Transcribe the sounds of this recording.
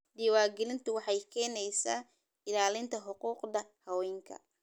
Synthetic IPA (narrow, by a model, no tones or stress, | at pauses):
d̪iːwaːɡɛlɪnt̪ʰʊwɑħɑjkʰɛːnɛjsaː | ɪlaːlɪnt̪ʰɐħʊquːqd̪ɐhɐwɛːŋkʰɐ̰